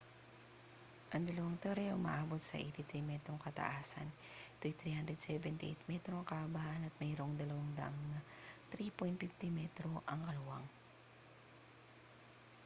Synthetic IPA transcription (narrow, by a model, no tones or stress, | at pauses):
ʔɐŋd̪ɐlɐwaŋt̪oɾɛʔomɐ̰ʔaːbot̪̚sɐ̰ʔɛ̰t̪ɪt̪ɾimɛt̪ɾoŋkɐt̪ɐ̰ʔaːsɐ̰n | t̪ujt̪ɾihand̪ɾɛd̪̚sɛbɛnt̪ɪ̰ʔɛ̰jt̪̚mɛt̪ɾoŋkɐʔabaʔɐnɐt̪̚mɛːɾoŋd̪ɐlɐwaŋd̪ɐ̰ʔɐŋnɐ | t̪ɾipojnt̪̚pɪft̪imɛt̪ɾoʔɐŋkɐlʊwaŋ